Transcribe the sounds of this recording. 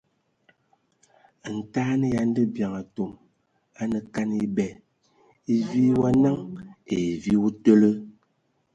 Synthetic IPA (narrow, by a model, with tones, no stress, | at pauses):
n̩˨taː˦nə˦ja˨n̩˦də˦bja˨ŋa˨to˨m | a˦nə˨ka˦ni˦bɛ˨ | i˦vi˦wa˦na˦ŋe˨vi˦wu˦tə˦lə˦